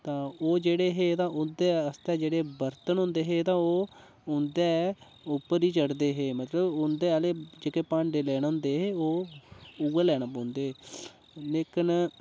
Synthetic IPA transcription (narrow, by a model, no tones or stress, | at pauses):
t̪ãːoːd͡ʒeːɽeːɦeːt̪ãːʔʊnd̪eːəst̪ɛːd͡ʒeːɽeːbəɾt̪ənɦʊ̃nd̪eːɦeːt̪ãːoː | ʊnd̪ɛː | ʊpːəɾiːt͡ʃəɽd̪eːɦeːmət̪ləbʊnd̪eːaleːd͡ʒeːkeːpãːɳɖeːlɛːɽʊ̃ːnd̪eːɦeːoːuːeːlɛːɽaːpõːnd̪eː | nekən